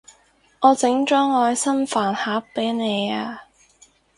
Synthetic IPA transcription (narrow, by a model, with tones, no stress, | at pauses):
ŋɔː˨˧t͡sɪ˨˥ŋt͡ʃɔː˥ŋɔː˨˧jsɐ˥nfaː˨˩nhaː˨˥ppːe˨˥jne˨˧jaː˧